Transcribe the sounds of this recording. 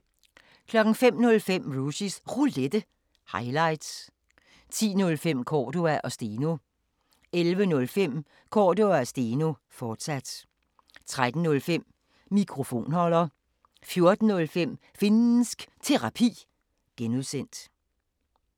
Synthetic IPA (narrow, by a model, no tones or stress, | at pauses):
kʰlɒ̽ɡ̥ŋ̩fem̰nɔ̽lfem̰ʁusisʁuled̥ə | hɑ̈ɪlɑ̈ɪd̥s | t͡sʰḭːnɔ̽lfem̰kʰɒːd̥o̝æʔɒ̽sd̥e̝ːno̝ | elʋənɔ̽lfem̰ | kʰɒ̰ːdoæsd̥e̝ːno̝fɒːd̥sæd̥ | t͡sʰʁad̥n̩nːɔ̽lfem̰ | mikʰʁo̝fo̝̰ːnhɒ̽lɐ | fjo̝ɐd̥n̩nɔ̽lfem̰ | fenn̩sɡ̥t͡sʰe̝ʁɑ̈pʰḭː | ɡ̥enuðˠsen̰d̥